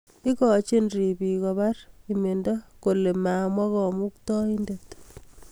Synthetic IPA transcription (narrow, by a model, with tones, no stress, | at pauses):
i˦kɔ˨t͡ʃe˦nri˨pi˨kɔ˨ba˦rime˨ndɔ˦ko˨le˨maː˨mwa˦kɔ˨mu˦k̚tɔ˦i˦ndet